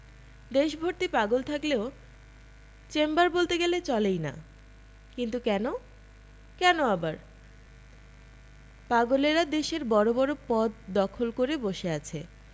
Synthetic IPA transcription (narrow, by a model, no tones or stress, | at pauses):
d̪eʃbʱoɾt̪ipaɡolt̪ʰakleo | t͡ɕembaɾbolt̪eɡelet͡ɕɔlejna̰ | kint̪ukɛno | kɛnoabaɾ | paɡoleɾad̪eʃeɾbɔɾobɔɾopɔd̪̚d̪ɔkʰolkoɾeboʃeat͡ɕʰe